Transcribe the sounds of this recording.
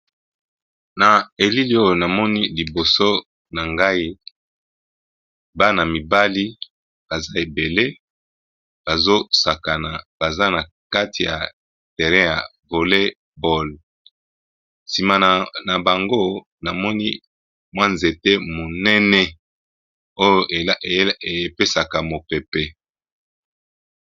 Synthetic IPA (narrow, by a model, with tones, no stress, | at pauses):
na˨e˨li˦li˦o˦jo˨na˨mɔ˦ni˦li˨bo˨so˦ | na˨ŋɡa˦i˦ | ba˦na˨mi˨ba˦li˦ | b̥a˨za˦e˨be˨le˦ | b̥a˨zo˦sa˨ka˨na˨b̥a˨za˦na˨ | ka˦tʰi˨ja̰˨ | tɛ˨ʁɛ̃˦ja˨ | vo˨le˦ | bɔ˦˨l | si˨ma˨na˨ba˨ŋɡo˦ | na˨mɔ˦ni˦ | mwa˦nze˨te˦mo˨nɛ˦nɛ˦ | o˦jo˦˨˦e˨˦pe˦sa˨ka˨mo˨pɛ˨pɛ˨